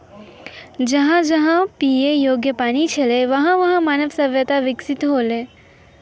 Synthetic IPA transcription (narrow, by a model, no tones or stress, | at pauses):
d͡ʒɐɦãd͡ʒɐɦãpiːejoːɡjəpaːnit͡ʃʰɐleʋɐɦãʋɐɦãmaːnəʋsɐʋjət̪aʋɪksɪt̪ɦoːleː